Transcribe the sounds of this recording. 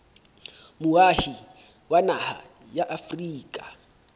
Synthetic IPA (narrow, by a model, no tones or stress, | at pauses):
mʊahi | wanaha̰ | jaʔafriːkʼa